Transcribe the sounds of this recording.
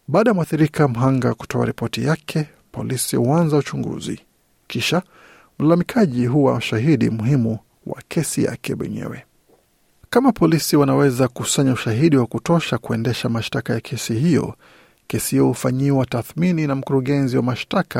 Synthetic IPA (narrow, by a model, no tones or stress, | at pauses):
ɓaːɗajamuaθiɾikʰam̩ɦaŋɡaku̥tɔa̰ɾipɔtijakʰɛ | pɔ̰lisihuanzaut͡ʃuŋɡṵzḭ | kiʃa | m̩lalamikʰaʄiɦuwamʃaɦiɗimuhimu | wa̰kʰɛsija̰kʰɛ̰wɛ̰ɲɛ̰wɛ | kamapʰɔlisiwanawɛzakusaɲauʃaɦiɗiwakutɔʃakuɛndɛʃamaʃtakajakʰɛsiɦijɔ̰ | kɛsihijɔhufaɲiwataθmininam̩kuɾuɠɛnziwamaʃtakʰa